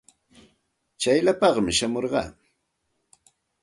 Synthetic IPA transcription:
t͡ʃajʎapɑχmɪʃamoɾɢɑ̰ː

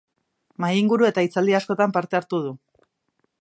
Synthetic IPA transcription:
majiŋɡuɾue̞t̪ait͡sald̪iasko̞t̪ampaɾt̪e̞aɾt̪uð̞u

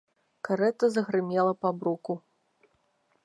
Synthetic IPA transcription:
kaɾɛt̪ɐzɐɣɾɨmʲɛlˠɐpabɾuku

